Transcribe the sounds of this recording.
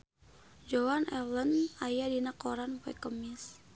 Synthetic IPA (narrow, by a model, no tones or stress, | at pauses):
d͡ʒɔwanɛlənajadinakɔɾanfɛ̰kəmis